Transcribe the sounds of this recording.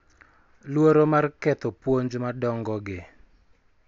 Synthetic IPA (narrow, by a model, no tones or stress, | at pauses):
lwoɾomarkɛt̪ɔpwoɲd͡ʒmadɔŋɡɔɡɪ